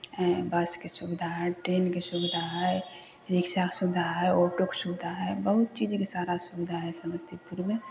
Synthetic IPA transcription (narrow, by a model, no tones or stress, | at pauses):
ɛbəskesʊbɪd̪ʱaɦɛʈɾeːnkesubɪd̪ʱaɦɛ | ɾɪkʃaksʊbd̪ʱaɦɛoːʈoksubɪd̪ʱaɦɛbəɦʊt̪t͡ʃid͡ʒkesaːɾasubɪd̪ʱaɦɛsəməst̪ʰipuɾmẽ